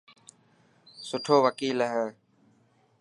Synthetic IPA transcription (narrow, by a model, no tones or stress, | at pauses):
sʊʈʰoːʋəkiːlɦɛː